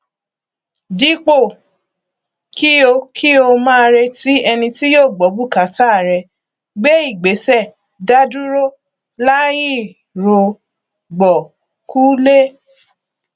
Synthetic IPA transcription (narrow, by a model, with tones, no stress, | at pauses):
di˨˦k͡po˦˨ | ki˦o˧kʰi˦o˧mãː˦˧ɾe˧ti˦ɛ˧nĩ˧ti˦jo˦˨ɡ͡bɔ˨˦bu˦˨ka˨˦ta˦˨ɾɛ˧ | ɡ͡be˦i˦˨ɡ͡be˨˦sɛ˦˨ | da˦du˦ɾo˦ | la˦ji˦˨ | ɾo˧ | ɡ͡bɔ˨ | ku˦le˦